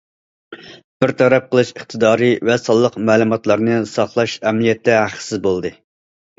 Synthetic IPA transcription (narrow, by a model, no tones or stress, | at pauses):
b̥ɪɾt̪ʰɛɾɛp̚qʰəlˠɨʃəχt̪ʰɨd̪ɑːɾɨvɛsɑlˠːəqmæːlˠumɑt̪lˠɑɾnɨsɑχlˠɑʃɛmlijɛt̪ʰːɛhæχə̥sɪzbolˠd̪ɨ